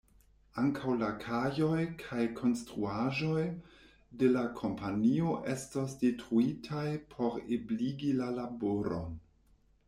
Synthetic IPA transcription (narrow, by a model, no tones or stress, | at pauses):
aŋkʰawlakʰajo̞jkʰajkʰo̞nstɾuaʒo̞j | de̞lakʰo̞mpʰanio̞ʔe̞stosdetɾuitʰajpʰo̞ɾebliɡilalaboɾo̞̰n